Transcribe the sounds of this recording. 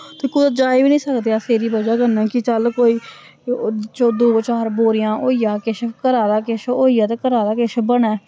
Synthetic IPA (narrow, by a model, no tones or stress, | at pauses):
t̪eːkʊd̪əd͡ʒaːebiːnĩːsəkd̪eːaːseːɾiːbəd͡ʒaːkənɛ̃ːkɪt͡ʃəlkoːiː | t͡ʃoːd̪oːt͡ʃaːɾboːɾɪjãːʔoːijaːkeʃkəɾaːd̪aːkeʃoːiːaːt̪eːkəɾaːd̪aːkeʃbəɳɛː